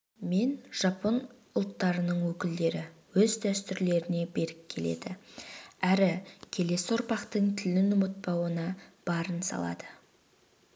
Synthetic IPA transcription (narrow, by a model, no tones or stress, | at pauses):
me̞nʒ̥ɑpon | ʊlˠt̪ːɑɾənəɴwɵkʲɪld̪e̞ɾɪwɵzd̪æst̪ʏɾle̞ɾɪne̞be̞ɾɪpkʲʰe̞le̞̰d̪ɪ | æɾɪkʲʰe̞le̞sɪʊɾpɑqt̪əɴt̪ʰɪlɪnʊmət̪̚pɑwənɑb̥ɑɾənsɑ̰lˠɑ̰d̪ə